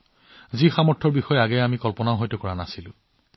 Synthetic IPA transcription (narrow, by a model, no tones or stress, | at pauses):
zixamɔɹtʰɔɹbixɔjɛaɡɛjamikɔlpɔnaʊɦɔjtɔkɔɹanasilʊ̰̃